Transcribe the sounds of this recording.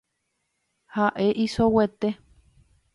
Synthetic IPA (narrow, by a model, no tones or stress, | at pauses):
haʔeʔisowet̪e